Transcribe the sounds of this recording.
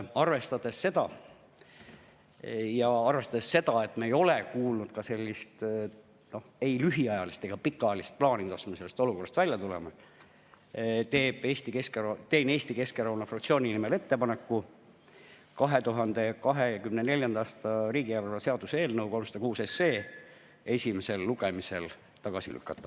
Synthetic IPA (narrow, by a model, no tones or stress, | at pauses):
ɑrve̞st̪ɑd̪̥e̞sːe̞d̪̥ɑ | jɑɑrve̞st̪ɑd̪esːe̞d̪̥ɑe̞t̪ːmeːjo̞lekuːlnud̪̥kɑse̞lʲːist̪ | no̞he̞jlyɦiɑjɑlist̪e̞ɡ̥ɑpikːˑɑjɑlist̪̚plɑːniɑsmese̞lːest̪o̞lukorːɑst̪vælʲjɑt̪ulḛme | t̪e̞ːb̥eːst̪ikeskt̪eːne̞ːst̪ike̞skeɾɑwnɑfrɑkt̪sio̞ːninimele̞t̪ːe̞pɑnekːu | kɑɦe̞t̪uɦɑnd̪̥e̞kɑɦekymnene̞lʲjɑnd̪ɑɑːst̪ɑɾiːɡ̥iælːɑse̞ɑd̪usee̞ːlnɤwko̞lmsɑd̪̥ɑkuːse̞seː | e̞sʲimese̞lːuɡemise̞l | t̪ɑɡ̥ɑsḭly̰kːˑɑt̪ːˑɑ